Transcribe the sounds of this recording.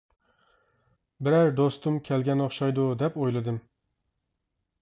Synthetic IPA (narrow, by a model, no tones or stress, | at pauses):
bɪɾaɾd̪ost̪ʊmkʲʰelɡʲanɒχʃɒjd̪ʊd̪ɛpojlɪd̪ɪm